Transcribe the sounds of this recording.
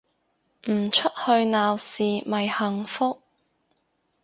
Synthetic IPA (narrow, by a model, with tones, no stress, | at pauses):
m̩˨˩t͡ʃʰɵ˥t̚hɵ˧ɥnaː˨wsiː˨mɐ˨jhɐ˨ŋfʊ˥k̚